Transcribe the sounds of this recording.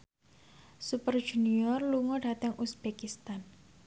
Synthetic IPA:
supər̥ʒ̥ṳniɔrluŋɔɖa̤t̪əŋʔusb̥ekist̪an

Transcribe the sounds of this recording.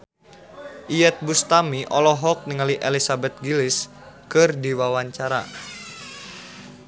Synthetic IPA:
ʔijɛt̪̚bust̪amiʔɔlɔɦɔk̚niŋaliʔɛlisabɛt̪̚ɡilɪs | kɨrdiwawaɲt͡ʃaɾa̰

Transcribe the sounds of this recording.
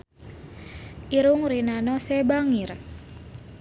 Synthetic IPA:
ʔiɾʊŋɾinanɔsɛbaŋir

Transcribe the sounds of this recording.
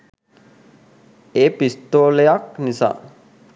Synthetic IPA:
eːpist̪oːlejaknisa̰ː

